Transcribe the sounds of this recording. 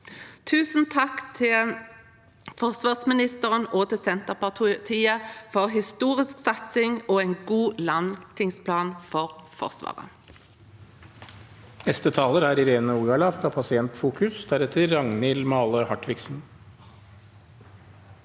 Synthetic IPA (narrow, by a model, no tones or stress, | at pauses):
t̪ʰʉːsnt̪ʰɑkt̪ʰɪl | fɔʁsʋɑːʁsmɪnɪst̪əʁənoːt̪ɪsɛnt̪əpɑt̪ʰt̪ʰiːəfɔʁɦɪst̪uːʁɪsksɑt̪sɪŋoːɛnɡuːlɑnt̪ʰɪŋspʰlɑːnfɔʁfɔ̰ʁsʋɑ̰ːʁə̰ | nɛst̪ət̪ʰɑːləɾæːɾɪɾeːnəuːɡɑlɑfɾɑːpʰɑsɪɛnt̪fuːkʉsd̪æɾɛt̪ʰəɾːɑŋnɪlmɑːləhɑʈʋɪksn̩